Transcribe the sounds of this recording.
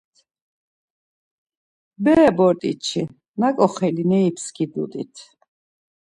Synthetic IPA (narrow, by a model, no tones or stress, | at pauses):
bɛbɔɾt̪ʼḭt͡ʃʰi | nakʼɔχɛlinɛipskʰid̪ṵd̪ʼḭt̪ʰ